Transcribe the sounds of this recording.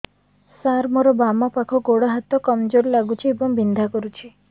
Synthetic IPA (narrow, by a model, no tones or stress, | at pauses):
saɾmɔɾɔbamɔpakʰɔɡoɽɔɦat̪ɔkɔmd͡ʒoɾlaɡut͡ʃʰiebɔŋbind̪ʱakɔɾut͡ʃʰi